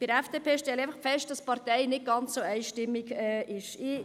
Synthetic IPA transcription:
b̥ɪɾɛfd̥eːpʰeːʃtɛlæɪfɑχfɛʃt̚d̥ɑspɑɾtɛɪnɪt̚ɡ̥ɑnt͡sːoɛɪʃtɪmːiɡɛːʔɪʃɪ

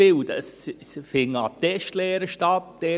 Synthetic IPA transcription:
ɪldə̰s | fɪŋɑt̪ɛʃtlɛːɾəʃtɑtd̥ɛ

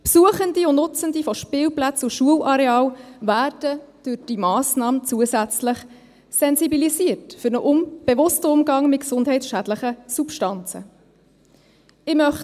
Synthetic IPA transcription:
psuəχəndiʊnʊt͡səndifɔʃpɪːlplæt͡suʃuəlʔɑɾɛɑːlvæːrd̥əd̥ʉɾd̥imɑːsnɑːmət͡suəzæt͡sləχ | sɛnzibiliziərtfʏɾnəʔʊmb̥ɛvʊstəʊmɡɑŋmɪt̚ksʊndɦɛɪtsʃædləχəsupʃtɑnt͡sə̰ | ɪmœχ

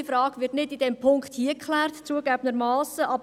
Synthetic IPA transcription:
əfɾɑːɡ̥ʋɪtnɪdid̥ɛmpʰʊŋkχthiəkχlæːrtt͡suəɡæbənəɾmɑːsəʔɑb

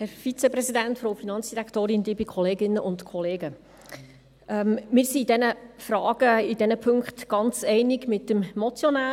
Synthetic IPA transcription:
hɛɾfit͡sɛprɛzidæntfɾowfinɑnt͡sd̥iɾæktoːɾɪnd̪iːbikʰɔleːɡɪnːəʔʊntkʰɔleːɡə | ɛmmɪːɾsiːdɛnəfrɑːɡ̥əid̥ɛnəpʰɵŋkχtɡ̥ɑnt͡sɛɪnɪɡmɪt̚ːəmmɔt͡sjɔnaː

